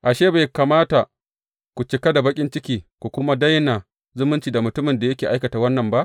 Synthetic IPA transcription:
ʔa˨ʃeː˦ba˨jkaː˨maː˦ta˨ | kʷu˨t͡ʃɪ˨ka˦da˨bɐ˦kʲʼɪ˦nt͡ʃɪ˦kʲiː˦kʷu˨kʷʊ˦ma˦dɐ˦jna˨ | zʊ˦mʊ˦nt͡ʃiː˨da˨mʊ˨tʊ˦mɪ˨nda˨jɐ˦kʲeː˨ʔa˦jkɐ˨taː˨wɐ˦nːɐ˨mba˦ʔ

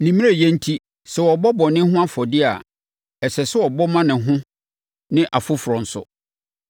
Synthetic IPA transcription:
nĩ˨mĩ˦a˦jɛ˦n̩˦tʰi˦ | sɛ˨wɔ˨bɔ˦bɔ˨nɪ̃˦ɦʊ̃˦a˦fɔ˨dɪ˦a̰˨ | ɛ˨sɛ˨sɛ˦wɔ˨bɔ˦mã˦nɪ̃˨ɦʊ̃˦ | nɪ̃˦ʔa˨fʊ˦fʊ˨ɾɔ̃˨n̩˨sʊ̰˨

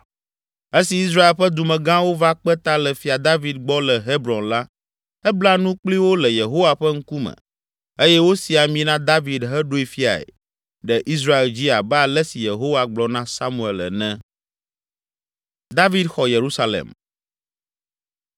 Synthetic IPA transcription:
e˦si˨i˦s̬ɾa˦e˨lɸɛ˦d̪u˨mɛ̃˨ɡã˦wo˦va˦k͡pɛ˦t̪a˦lɛ˨fi˨a˨d̪a˦vi˨d̪̚ɡ͡bɔ˦lɛ˨ɦe˦bɾɔ̃˨nla˦ | ɛ˦bla˦nũ˦k͡pli˦wo˦lɛ˨je˨ɦo˦wa˨ɸɛ˦ŋ̩˦ku˦mɛ̰̃˨ | e˦jɛ˦wo˦si˨a˨mĩ˨nã˦d̪a˦vi˨d̪ɦɛ˦ɖo˦i˨fi˦a̰˨ḛ˨ | ɖɛ˨ʔi˦s̬ɾa˦e˨ld͡ʑi˦a˨ba˦a˨lɛ˦si˨je˨ɦo˦wa˨ɡ͡blɔ˨nã˦sa˦mũ˨e˨lɛ̰˨nɛ̃˦ | d̪a˦vi˦d̪xɔ˨je˨ɾu˦sa˦lḛ˨m

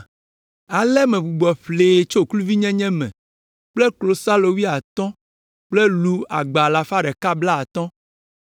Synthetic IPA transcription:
a˨lɛ˦mɛ̃˨bu˨ɡ͡bɔ˨ɸleː˨t͡ʃo˦˨klu˦vi˦ɲɛ̃˦ɲɛ̃˦mɛ̰̃˨ | k͡plɛ˦klo˨sa˦lo˨wi˦a˨t̪ɔ̃˦ | k͡plɛ˦lu˦a̰˨ɡ͡ba˨la˨fa˦ɖɛ˨ka˦bla˦a˨t̪ɔ̃˦

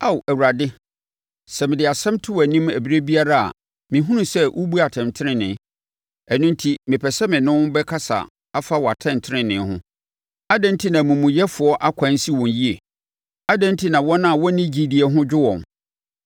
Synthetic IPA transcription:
a˦wæ˨wu˨ɾa˨dɪ˦ | sɛ˨mɪ̃˨dɪ˨a˨sɛ̃˦mtʰʊ˦wæ˨nĩ˦mæ̰˨bi˦ɾe˦bi˦a˦ɾa˦a̰˨ | mɪ̃˨ɦũ˦nũ˦sɛ˦ʔu˦bu˦a˨tʰɛ̃˨ntʰɪ˦ɾɪ̃˦nɪ̃˨˦ | æ˨nʊ̃˦n˦tʰi˦mɪ̃˨pʰɛ˨sɛ˦mɪ̃˨nʊ̃˦n˦bɛ˦kʰa˦sa̰˨ | a˦fa˦wɔ˨a˨tʰɛ̃˦˨n˨tʰɪ˦ɾɪ̃˦nɪ̃˨˦hʊ̰̃˦ | a˦dɛ̃˦n˦tʰi˦nã˨mũ˨mũ˨jɛ˦fʊ˨ɔ˦ʔa˦kʷʰã˨˦n˦si˦wɔ̃˨nji˦e˨ | a˦dɛ̃˦n˦tʰi˦nã˨wɔ˦nã˦˨wɔ˦nĩ˦d͡ʑi˦di˨ɛ˨ɦʊ̃˦d͡ʑᶣɪ˦wɔ̃˨n

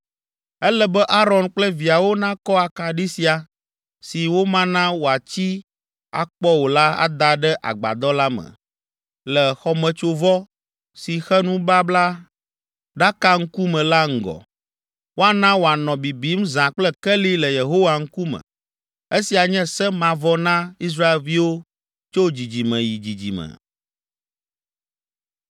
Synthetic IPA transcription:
ɛ˦lɛ˦bɛ˦ʔa˦ɾɔ˨nk͡plɛ˦vi˨a˨wo˦nã˦kɔ˦a˨ka˨ɖi˦si˨a˨ | si˨wo˦mã˦nã˦wo˨a˨t͡ɕi˦ | a̰˨k͡pɔ˦wo˨la˦a̰˨d̪a˦ɖɛ˦ʔa̰˨ɡ͡ba̰˨d̪ɔ˦la˦mɛ̰˨ | lɛ˨xɔ˨mɛ̃˨t͡ʃo˦vɔ˦ | si˨xɛ˦nũ˦ba˦bla˦ | ɖa˦ka˦ŋ̩˦ku˦mɛ̃˨la˦ŋ̩˨ɡɔ̰˨ | wo˦a˨nã˦wo˨a˨nɔ̃˨bi˨bi˦m˦zã˨k͡plɛ˦kɛ˦li˦lɛ˨je˨ɦo˦wa˨ŋ̩˦ku˦mɛ̰̃˨ | e˦si˨a˨ɲɛ̃˦sɛ˦mã˨vɔ˦nã˦i˦s̬ɾa˦e˨lvi˦wo˦ | t͡ʃo˦d͡ʑi˨d͡ʑi˨mɛ̃˨ji˨d͡ʑi˨d͡ʑḭ˨mɛ̰̃˨

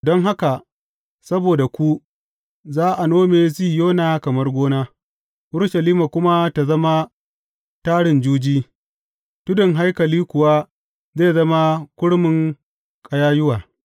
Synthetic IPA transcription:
dɔ˦ŋɦa˦ka˨ | sɐ˦boː˨da˨kʷu˦ | zaː˦ʔa˨noː˦meː˨zi˦joː˦naː˨kɐ˨mɐ˦rɡʷoː˦naː˦ | ʔʊ˦ɽʃɐ˨liː˦ma˨kʷʊ˦ma˦ta˨zɐ˦ma˦ | taː˦ɽɪ˨nd͡ʒuː˦d͡ʒiː˦ | tʊ˦dɪ˨ŋɦa˦jkɐ˨liː˦kʷʊ˨wa˦ | zeː˦˨zɐ˦ma˦kʷʊ˦ɽmɪ˨ŋ | kʼɐ˨jaː˦jʊ˦waː˨

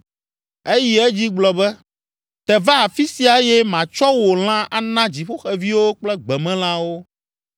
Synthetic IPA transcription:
e˦ji˨e˦d͡ʑi˦ɡ͡blɔ˨bɛ˦ | t̪ɛ˨va˦a˨fi˦si˨a˨˦jɛ˦mã˨t͡ʃɔ˦wo˨l̃ã˦ʔa˦nã˦d͡ʑi˨ɸo˦xɛ˨vi˦wo˦k͡plɛ˦ɡ͡bɛ˨mɛ̃˦l̃ã˦wo˦

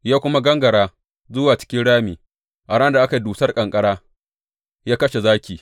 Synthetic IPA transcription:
jaː˦kʷʊ˦ma˦ɡɐ˦ŋɡɐ˨ɽaː˦ | zʊ˦waː˨t͡ʃɪ̥˦kʲɪ˦nɽaː˦miː˨ | ʔa˨ɽa˦nda˨ʔa˦ka˨i˦duː˨sɐ˦rkʼɐ˨ŋkʼɐ˦ɽaː˦ | jaː˦kɐ˦ʃe˨zaː˦kʲiː˨

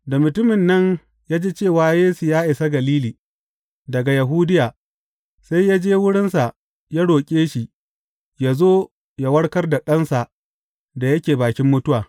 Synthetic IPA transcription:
da˨mʊ˨tʊ˦mɪ˨nːɐ˦ɲ | jaː˦d͡ʒeː˦t͡ʃeː˦˨waː˦jeː˦su˨jaː˦ʔɪ˨sa˦ɡɐ˨liː˦liː˨ | dɐ˨ɡa˨ja˨ɦʊː˦dɪ˦jaː˨ | sa˦jja˦d͡ʒeː˦wʊ˦ɽɪ˦nsa˨ʔ | ja˦ɽoː˨kʲʼeː˦ʃi˨ | ja˦zoː˦ | ja˦wɐ˦ɽkɐ˦rda˨ɗɐ˦nsa˨ʔ | da˨jɐ˦kʲeː˨baː˨kʲɪ˦mːʊ˦tʊ˦waː˨

